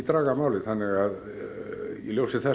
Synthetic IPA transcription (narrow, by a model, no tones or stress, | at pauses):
t̪rɑɡɑmɑolit̪hænːejɑ | ḭlusit̪hæ